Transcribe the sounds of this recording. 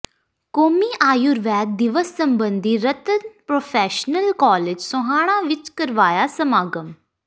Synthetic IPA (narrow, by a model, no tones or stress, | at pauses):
koːmiːʔaːjuɾʋɛːt̪̚d̪ɪʋəsːəmbənd̪iːɾət̪ənpɾoːpʰɛːʃnəlkɔːled͡ʒsʊɦaːɽ̃ãːʋɪt͡ʃkəɾʋaːjaːsəmaːɡəm